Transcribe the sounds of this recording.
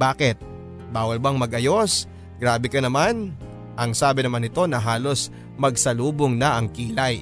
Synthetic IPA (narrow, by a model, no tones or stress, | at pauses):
baːkɛt̪̚ | baːwɐlbɐŋmɐɡʔɐjo̞s | ɡɾaːbɪkɐnɐman | ʔɐŋsaːbɪnɐmanɪt̪o̞nɐɦaːlo̞s | mɐɡ̚sɐluːboŋnɐʔɐŋkiːlɐj